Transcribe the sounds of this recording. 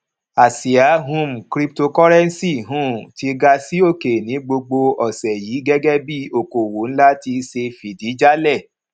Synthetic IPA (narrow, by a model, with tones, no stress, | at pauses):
a˨si˨a˨˦ɦũ˦m̩˨kɾi˦p̚to˧kɔ˦ɾɛ˦n˦si˦˨ɦũ˦ti˧ɡa˧si˦o˦˨ke˨nĩ˨˦ɡ͡bo˧ɡ͡bo˧ɔ˨sɛ˨jiː˨˦ɡɛ˦ɡɛ˦bi˦o˨ko˨wo˨˦n̩˦la˦ti˧se˧fi˨di˨˦d͡ʒa˦lɛ˦˨